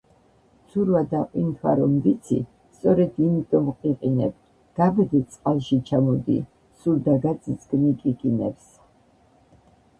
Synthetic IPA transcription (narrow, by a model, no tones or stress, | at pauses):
sʰuɾvad̪aqʼwint̪ʰwa̰ɾɔmd̪it̪sʰḭ | st̪sʼɔɾɛd̪imit̪ʼɔmqʼiqʼinɛ̰b̚ | ɡ̥abd̪ɛsʼqʼalˠʃit͡ʃʰamɔd̪ḭ | suld̪aɡaszɡnikʼikʼinɛ̰ps